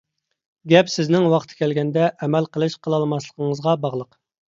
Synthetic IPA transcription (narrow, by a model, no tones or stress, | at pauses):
ɡʲɛpsɪznɪŋwɑqt̪ʰɨ̥kʲɛlɡʲɛnd̪ɛʔɛmɛlqʰəlˠɨʃqʰəlˠɑlˠmɑslˠəqʰəŋəzʁɑbɑʁlˠəq